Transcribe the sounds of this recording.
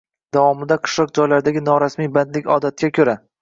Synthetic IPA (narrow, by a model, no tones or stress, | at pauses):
d̪̥avɒmɪd̪aqʰɨ̥ʃlˠɒq̚d͡ʒɒjlaɾɪd̪aɡʲɪnɒɾasmijband̪lɪkʲɒd̪at̪̚ɡʲakʲʰɵɾa